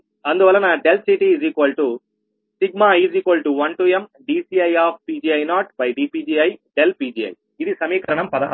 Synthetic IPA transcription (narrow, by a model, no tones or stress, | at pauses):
ɐnd̪uʋɐlːɐnaːɖelʈsiːʈiːd͡ʒiːkʋɐlʈu | siɡ̚maːiːd͡ʒiːkʋɐlʈuʋɐɳʈuːemɖiːsiːɐjaːp̚ʰpiːd͡ʒiːɐjnaːʈ̚bɐjɖiːpiːd͡ʒiːɐjɖelpiːd͡ʒiːɐ̰j | id̪isɐmiːkɐɾɐɳɐmpɐd̪ɐɦ